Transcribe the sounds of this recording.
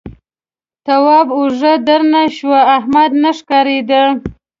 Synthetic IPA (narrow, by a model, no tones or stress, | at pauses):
t̪awɑbʊʐəd̪aɾnaʃwaahmad̪naʂkɑɾed̪ə